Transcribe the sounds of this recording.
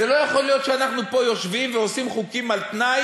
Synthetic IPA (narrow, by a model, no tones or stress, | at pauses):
zelo̞jaχo̞lijo̞t̪ʃeanaχnupo̞jo̞ʃvimveosimχukimalt̪naj